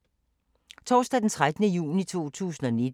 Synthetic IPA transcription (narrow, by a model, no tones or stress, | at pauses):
t͡sʰɒːsd̥ɛd̥ent͡sʰʁad̥ənəjṵːnit͡sʰo̝̰ːt͡sʰṵːsn̩ɒned̥